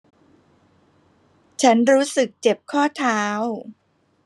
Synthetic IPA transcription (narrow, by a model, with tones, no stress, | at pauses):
t͡ɕʰa˦˥nɾuː˦˥sɯ˨˩k̚t͡ɕe˨˩p̚kʰɔː˥˩t̪ʰaː˦˥w